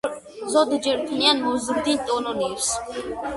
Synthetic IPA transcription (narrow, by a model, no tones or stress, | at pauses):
zɔd̪d͡ʒɛɾt̪ʰnianmɔzɾd̪int̪ʼɔnɔniɾs